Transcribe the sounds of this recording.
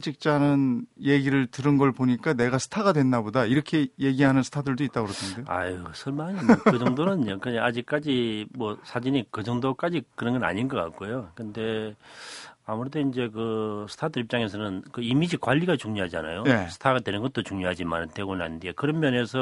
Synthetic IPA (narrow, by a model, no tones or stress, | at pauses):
d͡ʑik̚t͡ɕ͈anɯnje̞ɡiɾɯɭtɯɾɯnɡʌɭpoɲik͈ane̞ɡasʰɯ̥tʰaɡadwe̞ndabodaiɾʌkʰe̞je̞ɡiɦanɯnsʰɯ̥t̪ʰadɯɭdoit͈aɡɯɾʌtʰɯndejoa̰isʰʌɭmaɲimkɯd͡ʑʌŋdonɯnokɯɲad͡ʑik̚k͈ad͡ʑimwʌsʰad͡ʑinikɯd͡ʑʌŋdok͈ad͡ʑikɯɾʌnɡʌna̰ɲinɡʌk͈a̰k̚k͈ojokɯnde̞ | amuɾidoind͡ʑe̞kɯsʰtʰadɯɾip̚t͡ɕ͈aŋe̞s̬ʰʌnɯnkɯimid͡ʑikwaʎːiɡat͡ɕuŋɲoɦad͡ʑia̰na̰jonesʰɯ̥tʰaɡadwe̞nɯnɡʌt̚t͈ot͡ɕuŋɲoɦad͡ʑima̰ɾnteɡona̰ndiekɯɾʌmmjʌne̞sʰʌ